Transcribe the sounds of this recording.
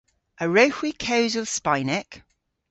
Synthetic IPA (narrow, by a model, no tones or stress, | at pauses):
ʔəɹəʊhwikʰeʊzəlˠspaɪnɪk